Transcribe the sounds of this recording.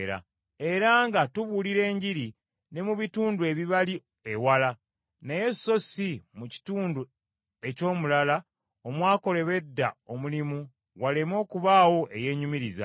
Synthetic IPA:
ɾa̰ | e̞ɾaŋɡatuβuliɾe̞ːɲɟiɾi | ne̞muβituːndue̞βiβali | ewala | neje̞so̞simuci̥tuːndu | e̞co̞ːmulala | o̞mwaːko̞le̞βe̞dːao̞mulimu | wale̞mo̞ːkuβaːwo̞ʔe̞je̞ːɲumiɾiza̰

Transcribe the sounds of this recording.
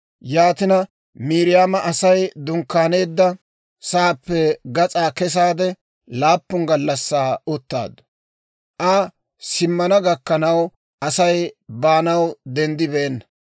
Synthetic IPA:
jaːt̪ɪnɐ | miːɾɪjaːmɐʔɐsɐjd̪ʊŋkːaːne̞ːd̪ːɐ | saːpːɛɡɐt͡sʼaːkɛs̬aːd̪ɛ | laːpːʊŋɡɐlːɐsːaːɔt̪ːa̰ːd̪ʊ̥ | ʔɐ | sɪmːɐnɐɡɐkːɐnɐw | ʔɐsɐjbaːnɐwd̪ɛnd̪ɪbeːnːɐ

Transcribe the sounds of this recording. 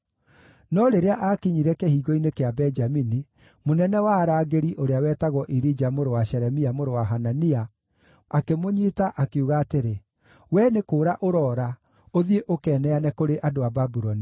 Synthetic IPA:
nɔɾeɾeaʔakiɲiɾɛkɛhiːɣɔinekeabɛd͡ʒamini | monɛnɛwaɾaːɡeɾiʔoɾeawɛːtaɣɔʔiɾid͡ʒamoɾowaʃɛɾɛmiamoɾowaɦanania | akemoɲitaʔakeuɣaːteɾe | wɛnekoːɾaʔoɾɔːɾa | oðieʔokɛːnɛanɛkoɾeʔadoababuɾɔni

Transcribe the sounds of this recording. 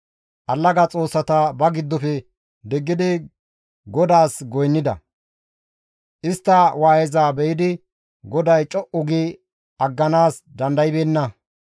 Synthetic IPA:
ʔɐlːɐɡɐt͡sʼo̞ːsːɐt̪ɐbɐɡɪd̪ːɔfɛ | d̪ɛɡːɪd̪ɪ | ɡɔd̪aːsɡɔjnːɪd̪ɐ̰ | ʔɪst̪ːɐwaːjɛzaːbɛjɪd̪ɪ | ɡɔd̪ɐjt͡ʃʼɔʔʊɡɪ | ɐɡːɐnaːsd̪ɐnd̪ɐjɪbeːnːɐ

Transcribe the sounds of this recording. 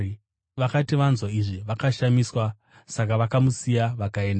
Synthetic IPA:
ʋakatiʋanzwaiʐiʋakaʃamiswa | sak̬aʋakamusijaʋakae̞ːnda

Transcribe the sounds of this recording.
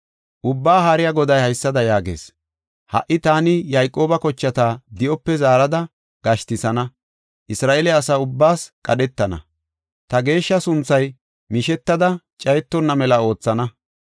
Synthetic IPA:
ʔʊbːaːɦaːɾɪjaɡɔd̪ɐjhɐjsːɐd̪ɐjaːɡe̞̰ːs | hɐ̰ʔːɪt̪aːnɪjɐjkʼo̞ːbɐkɔt͡ʃːɐt̪aːd̪ɪʔɔpːɛzaːɾɐd̪ɐ | ɡ̥ɐʃt̪ɪsɐnɐ | ʔɪsɾaːʔelɛɐsaːʊbːaːskʼɐɗɛt̪ːɐnɐ̰ | t̪ɐɡe̞ːʃːɐsʊnt͡sːɐj | mɪʃɛt̪ːɐd̪ɐ | t͡ʃʼɐjɛt̪ːɔnːɐmɛlɐo̞ːt͡sːɐnɐ

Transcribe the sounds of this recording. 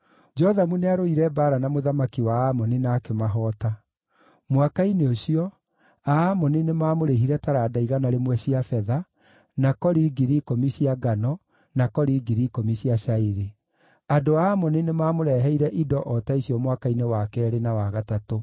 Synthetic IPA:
d͡ʒɔðamuneaɾoiɾɛbaːɾanamoðamakiwaːmɔninaːkemaɦɔta | mwakaineoɕiɔ | aːmɔninemaːmoɾeɦiɾɛtaɾaːdaiɣanaɾemwɛɕiafɛða | nakɔɾiɡiɾikomisiaɡanɔ | nakɔɾiɡiɾikomisiasaiɾe | adoaːmɔninemaːmoɾɛɦɛiɾɛʔidɔʔɔtaisiɔmwakainewakɛɾenawaɣatato

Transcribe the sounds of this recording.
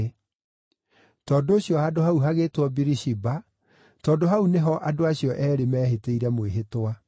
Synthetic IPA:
tɔːdoːɕjɔhadoɦauɦaɣeːtwɔbiɾiʃiba | tɔːdoɦauneɦɔʔadoaɕjɔʔɛːɾemɛːɦeteiɾɛmweɦetwa

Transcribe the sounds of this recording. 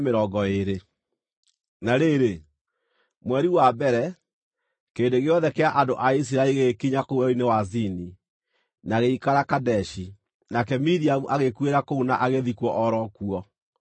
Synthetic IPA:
meɾɔɡɔeɾe | naɾeɾe | mwɛɾiwabɛɾɛ | keːndeɣeɔðɛkeaʔandoʔais̬iɾaɛiɣekiɲakouɛinewazini | naɣeikaɾakadɛʃi | nakɛmiɾiamuʔaɣekweɾakounaʔaɣeðikwɔʔɔɾɔkuɔ

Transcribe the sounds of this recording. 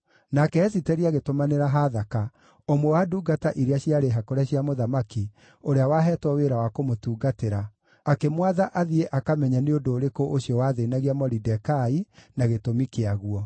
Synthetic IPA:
nakɛɛsitɛɾiaɣetomaneɾaɦaðaka | omwɛwaduːɡataʔiɾeaɕiaɾeɦakoɾaɕiamoðamaki | oɾeawaɦɛːtwɔweɾawakomotuːɡateɾaː | kemwaðaʔaðieʔakamɛɲaneondoːɾekoʔoɕijɔwaðenaɣiamɔɾidɛkainaɣetomikeaɣuɔ

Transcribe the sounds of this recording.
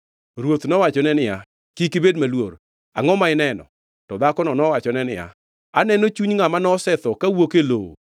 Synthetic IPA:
ɾwot̪nɔwat͡ʃɔnɛnɪja | kikɪbedmalwoɾ | aŋɔmaɪnɛnɔ̰ | tɔd̪akɔnɔnɔwat͡ʃɔnɛnɪ̰ja̰ | anɛnot͡ʃuɲŋamanɔsɛt̪ɔkawokelowo̰

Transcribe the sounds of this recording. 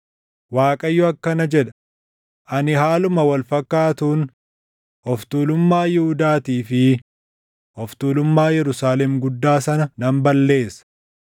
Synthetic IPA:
waːkʼɐjːɔɐkːɐnɐd͡ʒɛᶑ̪ɐ̥ | ʔɐnɪɦaːlʊmɐwɐlfɐkːaːt̪uːn | ɔft̪uːlʊmːaːjɪhʊd̪aːt̪iːfɪ | ɔft̪uːlʊmːaːjɛɾʊsaːlɛmɡʊd̪ːaːsɐnɐnɐmbɐlːe̞ːsɐ̥

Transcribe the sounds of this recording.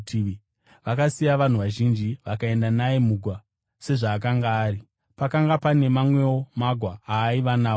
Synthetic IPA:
tː | ʋakasijaʋan̤uʋaʒind͡ʒiʋakae̞ndanaemuɡʱwa | se̞ʐaːk̬aŋɡaːri | pakaŋɡapane̞mamwe̞wo̞maɡʱwaaːiʋanaːo

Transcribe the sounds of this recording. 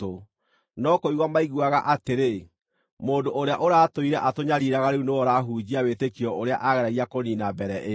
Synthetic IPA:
o | nɔkoiɣwamaiɣwaɣaʔateɾe | moːndoʔoɾeaʔoɾaːtoiɾɛʔatoɲaɾiɾaɣaɾeunoɔɾaɦud͡ʑiawetekiɔʔoɾea̰ʔaɣɛɾaɣiakoninabɛɾɛʔe

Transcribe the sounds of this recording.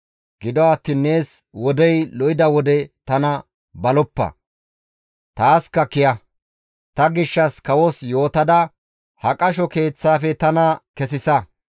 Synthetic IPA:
ɡ̥ɪd̪ɔɐt̪ːiːnːe̞ːswɔd̪ɛjlɔjɪd̪ɐwɔd̪ɛt̪ɐnɐ | bɐlɔpːɐ̰ | t̪aːskɐkɪjɐ | t̪ɐɡɪʃːɐskɐwɔsjo̞ːt̪ɐd̪ɐ | hɐkʼɐʃɔke̞ːt͡sːaːfɛt̪ɐnɐkɛsɪsɐ

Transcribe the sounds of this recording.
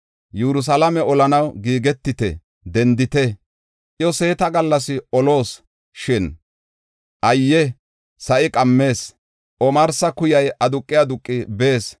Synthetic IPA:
jɛɾʊs̬ɐlɐmɛɔlɐnɐwɡiːɡɛt̪ːɪt̪ɛ̰ | d̪ɛnd̪ɪt̪ɛ | ʔɪjɔse̞ːt̪ɐɡɐlːɐs̬ɪɔlo̞ːs | ʃɪn | ʔɐjːɛ | sɐʔɪkʼɐmːe̞ːs | ʔɔmɐɾsɐkʊjɐjʔɐd̪ʊkʼːɪjɐd̪ʊkʼːɪbe̞ːs

